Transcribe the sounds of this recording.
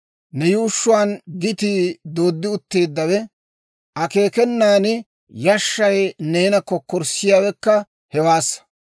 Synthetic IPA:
nɛjuːʃːʊwaːnɡɪt̪id̪o̞ːd̪ːɪʊt̪ːe̞ːd̪ːɐwɛ | ʔɐke̞ːkɛnːaːnɪ | jɐʃːɐjne̞ːnɐkːɔkːɔɾsɪjaːwɛkːɐ | hɛwaːsː

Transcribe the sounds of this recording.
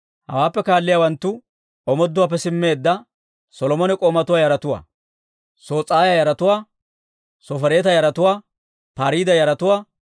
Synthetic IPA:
hɐ̰waːpːɛkaːlːɪjaːwɐnt̪ːʊ | ʔɔmɔd̪ːʊwaːp̬ːɛsɪmːe̞ːd̪ːɐ | sɔlɔmɔnɛkʼɔːmɐt̪ʊwaːjɐɾɐt̪ʊwa̰ː | so̞ːt͡sʼːaːjajɐɾɐt̪ʊwaː | sɔfɐɾe̞ːt̪ɐjɐɾɐt̪ʊwaː | paːɾiːd̪ɐjɐɾɐt̪ʊwaː

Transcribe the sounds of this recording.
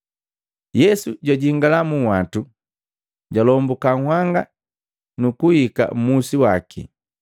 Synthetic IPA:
jɛsuɟwaɟiŋɡalamuwatu | ɟalɔmbukaŋhwaŋɡa | nukuhika̰m̩musiwakʰḭ

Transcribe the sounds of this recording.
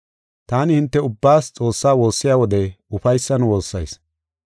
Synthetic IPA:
t̪aːnɪhɪnt̪ːɛʊbːaːst͡sʼo̞ːsːaːwo̞ːsːɪjaːwɔd̪ɛʊfɐjsːɐnwo̞ːsːɐjs

